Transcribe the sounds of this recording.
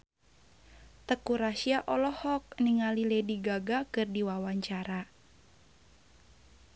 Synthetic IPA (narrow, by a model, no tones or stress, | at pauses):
t̪əkuɾasiaʔɔlɔhɔk̚niŋalilɛdiɡaɡakɨrdiwawaɲt͡ʃaɾa